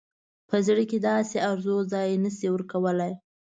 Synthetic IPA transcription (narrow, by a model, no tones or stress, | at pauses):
pəzɽiked̪ɑseaɾzozɑjnəsiwəɾkawəlaj